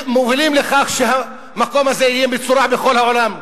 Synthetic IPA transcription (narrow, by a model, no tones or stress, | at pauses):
movilimleχaχʃeɦa | mako̞mhazeijebet͡suɾabexo̞lhaʕolam